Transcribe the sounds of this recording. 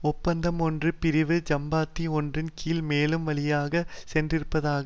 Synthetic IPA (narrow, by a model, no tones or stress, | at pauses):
ɔpːɐnd̪ɐmɔndrɯpɪɾɪʋɯd͡ʒɐmbaːt̪ːiɔndrɪnkiːlmeːlɯmʋɐlɪjaːɣɐsɛndrɪɾɯpːɐðaːɣɐ